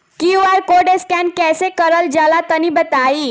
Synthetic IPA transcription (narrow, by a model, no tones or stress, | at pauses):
kiʋaɾkoɖeskankɛsekəɾəld͡ʑalat̪ənibət̪ai